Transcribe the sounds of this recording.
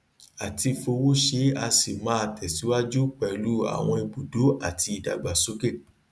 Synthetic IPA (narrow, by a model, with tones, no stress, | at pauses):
a˨ti˧fo˧wo˦ʃe˧˦a˧si˨mã˦a˧tɛ˨si˨˦wa˦d͡ʒu˦k͡pɛ˨lu˦a̰˨w̃ɔ̃˧i˧bu˨do˨˦a˦˨tʰi˧i˨da̰˨ɡ͡ba˨so˨˦ɡe˦˨